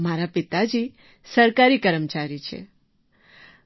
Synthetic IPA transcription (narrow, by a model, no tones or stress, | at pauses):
maɾapɪt̪ad͡ʒi | səɾkaɾikəɾəmt͡ʃaɾit͡ʃʰḛ